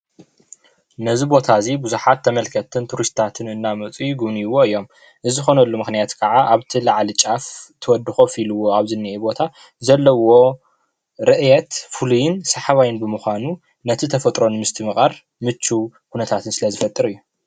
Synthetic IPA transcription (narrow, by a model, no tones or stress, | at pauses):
nɐzibo̞t̪ʰazibuzuħat̪ʰːɐmɐlkʰɐt̪ʰɨnt̪ʰuɾist̪ʰat̪ʰɨnɨnːamɐt͡sʼujɡuβniwo̞ɨjːo̞m | ʔɨzɨxo̞nɐlːumɨxnijat̪kʰɐʕaʔaβt̪ʰilaʕlit͡ʃʼaft̪ʰɨwɔd̪ːɨxofiluwo̞aβzɨnːiʔebo̞t̪ʰa | zɐlːɐwo̞ | ɾɨʔjɛt̪fulujɪnsaħaβajɪnbɨmuxʷanu | nɐt̪ʰit̪ʰɐfɐt̪ʼɾo̞nmɨst̪ʰɨmɨχʼɐɾ | mɨt͡ʃːukʰunɐt̪ʰat̪ʰɨnsɨlɐzɨfɐt̪ʼːɨɾɨjːu